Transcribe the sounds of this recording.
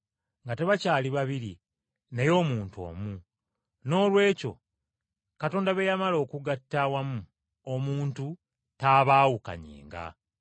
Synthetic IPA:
ŋɡate̞βacaːliβaβiɾḭ | nejo̞ːmuːntuo̞̰ːmu | no̞ːlwe̞ːco̞̰ | kato̞ːndaβe̞jamalo̞ːkuɡatːawamu | omuːntu | taːβaːwuka̰ɲḛːŋɡa̰

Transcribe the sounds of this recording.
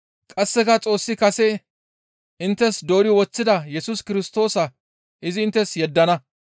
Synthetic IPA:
kʼɐsːɛkɐt͡sʼo̞ːsːɪkɐsɛ | ʔɪnt̪ːɛsd̪o̞ːɾɪwɔt͡sːɪd̪ɐjɛsʊskɪɾɪst̪o̞ːsɐ | ʔɪzɪːnt̪ːɛsjɛd̪ːɐnɐ

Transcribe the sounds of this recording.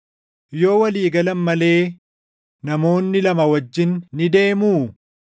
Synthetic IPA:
jo̞ːwɐliːɡɐlɐnmɐle̞ː | nɐmo̞ːnːɪlɐmɐwɐd͡ʒːɪnːɪd̪e̞ːmuː

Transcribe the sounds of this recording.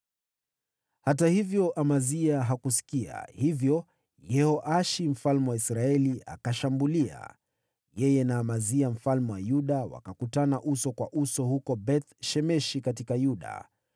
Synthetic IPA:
hat̬ahivjɔʔamaziaɦakus̬i̥kia̰hivjɔ | jɛhɔʔaʃim̩falmɛwaisɾaɛlia̰kaʃambulia̰ | jɛjɛnaːmaziam̩falmɛwajuɗawa̰kakutanaʔusɔkwaʔusɔhukɔbɛθʃɛmɛʃikatikajuɗa̰

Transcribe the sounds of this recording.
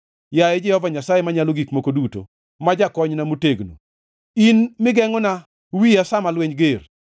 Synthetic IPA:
jajɛd͡ʒɛhɔvaɲasajemaɲaloɡikmokoduto̰ | mad͡ʒakɔɲnamuteɡno̰ | inmɪɡɛŋɔna | wijasamalweɲɡer

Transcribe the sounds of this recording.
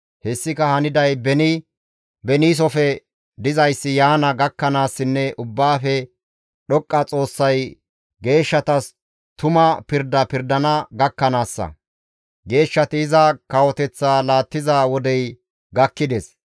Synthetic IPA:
hɛsːɪkɐhɐnɪd̪ɐjbɛnɪ | bɛniːs̬ɔfɛ | d̪ɪzɐjsːɪjaːnɐɡɐkːɐnaːsːɪnːɛʔʊbːaːfɛ | ɗɔkʼːɐt͡sʼo̞ːsːɐj | ɡe̞ːʃːɐt̪ɐs | t̪ʊmɐpɪɾd̪ɐpɪɾd̪ɐnɐɡɐkːɐnaːsːɐ̰ | ɡe̞ːʃːɐt̪ɪːzɐkɐwɔt̪ɛt͡sːaːlaːt̪ːɪzawɔd̪ɛj | ɡɐkːɪd̪ɛs

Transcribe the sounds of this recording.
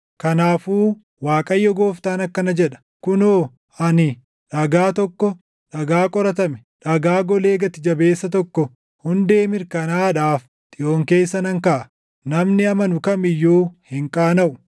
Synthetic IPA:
kɐnaːfuː | waːkʼɐjːɔɡo̞ːft̪aːnɐkːɐnɐd͡ʒɛᶑɐ̥ | kʊnoː | ɐnɪ | ᶑɐɡaːt̪ɔkːɔ | ᶑɐɡaːkʼɔɾɐt̪ɐmɛ̥ | ᶑɐɡaːɡɔle̞ːɡɐt̪ɪd͡ʒɐbe̞ːsːɐt̪ɔkːɔ | hʊnd̪e̞ːmɪɾkɐnaːᶑaːf | t̪ʼɪʔo̞ːŋke̞ːsːɐnɐŋkaʔɐ | nɐmnɪɐmɐnʊkɐmɪjːuːhɪŋkʼaːnɐʔʊ

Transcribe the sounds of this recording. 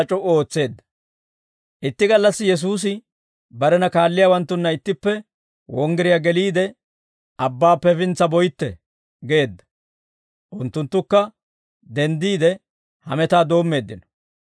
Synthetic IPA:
ɐt͡ʃʼɔʔo̞ːt͡sːe̞ːd̪ːɐ̥ | ʔɪt̪ːɪɡɐlːɐsːɪjɛs̬uːs̬ɪ | bɐɾɛnɐkaːlːɪjaːwɐnt̪ːʊnːɐɪt̪ːɪpːɛ | wɔŋɡɛɾɪjaɡɛliːd̪ɛ | ʔɐbːaːpːɛfɪnt͡sːɐbɔjt̪ːɛ̰ | ɡe̞ːd̪ːɐ̥ | ʔʊnt̪ːʊnt̪ːʊkːɐ | d̪ɛnd̪iːd̪ɛ | hɐ̰mɛt̪aːd̪o̞ːmːe̞ːd̪ːɪnɔ̥

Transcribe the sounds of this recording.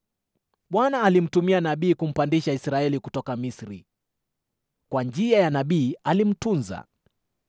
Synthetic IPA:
ɓwanaːlim̩tumianaɓiːkum̩pandiʃaisɾaɛlikutɔkamisɾḭ | kwand͡ʒiajanaɓiːalim̩tunza̰

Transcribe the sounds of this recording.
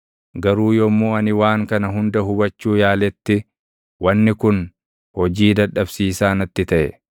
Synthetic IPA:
ɡɐɾuːjɔmːuːɐnɪwaːŋkɐnɐɦʊnd̪ɐɦʊbɐt͡ʃːuːjaːlɛt̪ːɪ | wɐnːɪkʊn | hɔd͡ʒiːd̪ɐᶑɐbsiːsaːnɐt̪ːɪt̪ɐʔɛ

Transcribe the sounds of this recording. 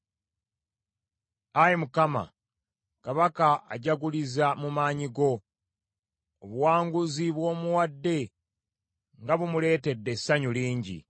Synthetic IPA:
ajemukama̰ | kaβakaaɟaɡulizamumaːɲiɡo̞ | βuwaːŋɡuziβwo̞ːmuwadːe̞ | ŋɡaβumule̞ːte̞dːe̞sːaɲuliːɲɟḭ

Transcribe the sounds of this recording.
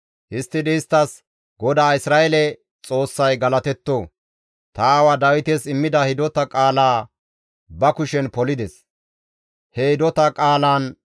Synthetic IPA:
hɪst̪ːɪd̪ɛːst̪ːɐs | ɡɔd̪aːɪsɾaːʔɛlɛ | t͡sʼo̞ːsːɐjɡɐlɐt̪ɛt̪ːoː | t̪awad̪ɐwɪt̪esɪmːɪd̪ɐhɪd̪ɔt̪ɐkʼaːlaː | bɐkʊʃɛnpɔlɪd̪ɛs | hɛhɪd̪ɔt̪ɐkʼaːlaːn

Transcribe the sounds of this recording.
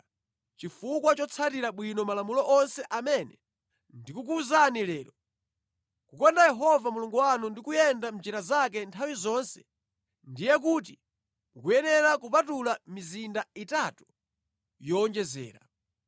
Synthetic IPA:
t͡ʃifukwat͡ʃɔt͡sʰatiɾaɓwinɔmalamulɔʔɔnsɛʔamɛnɛ | ndikuk̬uzanilɛːlɔ | kukɔndajɛɦɔvamuluŋɡuwanundikujɛndam̩d͡ʒiɾazak̬ɛntʰawizɔnsɛ̥ | ndijɛk̬uːt̬i | mukujɛnɛɾakupatulamizindaitatu | jɔːnd͡ʒɛzɛ̰ːɾa̰

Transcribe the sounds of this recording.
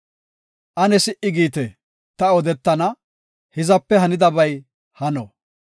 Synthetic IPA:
ʔɐnɛsɪʔɪɡiːt̪ɛ | t̪ɐɔd̪ɛt̪ːɐnɐ | hɪzɐpːɛɦɐnɪd̪ɐbɐj | hɐnɔ

